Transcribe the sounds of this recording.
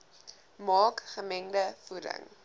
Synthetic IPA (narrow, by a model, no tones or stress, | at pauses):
mɑːkχəmɛŋdəfuɾə̰ŋ